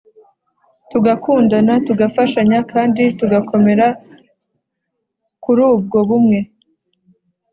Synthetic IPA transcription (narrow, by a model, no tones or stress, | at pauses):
tuɡakʰuːndanatuɡafaʃaɲakaːndituɡakʰo̞me̞ɾa | kuɾuːb̚ɡo̞βumŋe̞